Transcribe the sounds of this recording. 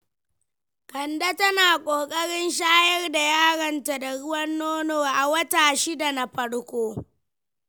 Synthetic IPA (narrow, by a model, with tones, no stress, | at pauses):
kɐ˨nda˦tɐ˦naː˨kʷʼoː˨kʼɐ˦ɽɪ˦nʃaː˦jɐ˦rda˨jaː˦ɽɐ˨nta˨da˨ɽʊ˦wɐ˦nːoː˦noː˨ʔa˨wɐ˦taː˨ʃi˦da˨na˨ɸɐ˦ɽkʷoː˦